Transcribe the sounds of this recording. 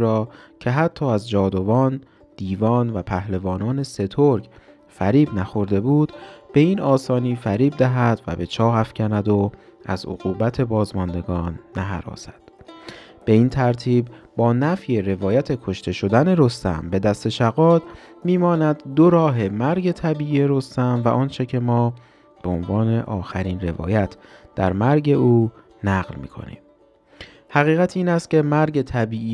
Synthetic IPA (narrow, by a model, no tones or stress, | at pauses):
ɾɒːcʰe̞ɦæt̪ʰːɒːæzd͡ʒɒːd̪o̞vɒːn | d̪̥iːvɒːnvæpʰæhlevɒːnɒːne̞se̞t̪ʰoɾɟ | fæɾiːbnæxo̞ɾd̪e̞buːd̪̥b̥e̞iːnɒːsɒːniːfæɾiːb̚d̪æɦæd̪̥væ̰be̞t͡ʃʰɒːɦæfcʰænæd̪oæ̰zo̰ɣuːbæt̪ʰe̞bɒːzmɒnd̪e̞ɡɒːnːæɦæ̰ɾɒ̰ːsæd̪̥ | b̥e̞iːnt̪ʰæɾt̪ʰiːbbɒːnæfje̞ɾe̞vɒːjæt̪ʰe̞kʰo̞ʃt̪ʰe̞ʃo̞d̪æne̞ɾo̞st̪æ̰mbe̞d̪æst̪e̞ʃæɣɒːd̪ | miːmɒːnæd̪d̪oɾɒːɦe̞mæɾɟe̞t̪ʰæbiːʔiːje̞ɾo̞st̪æmvæʔɒːnt͡ʃʰe̞cʰe̞mɒː | b̥eonvɒːne̞ʔɒːxæɾiːnre̞vɒ̰ːjæt̪ʰd̪̥æ̰ɾmæɾɟe̞uː | næːɣlmḭːkʰo̞̰nḭːm | hæɣiːɣæt̪ʰiːnæst̪̚cʰe̞mæɾɟe̞t̪ʰæbiːiː